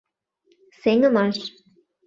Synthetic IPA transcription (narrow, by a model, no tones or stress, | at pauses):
seŋə̆mɑʃ